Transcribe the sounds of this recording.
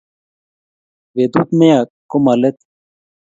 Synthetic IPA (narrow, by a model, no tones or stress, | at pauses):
ʋed̪ut̪mejakːomɐlet̪